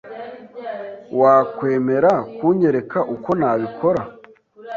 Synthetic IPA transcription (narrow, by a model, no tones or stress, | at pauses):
waːkwe̞ːme̞ɾakuɲe̞ɾe̞kaʔuko̞naβikʰo̞ɾa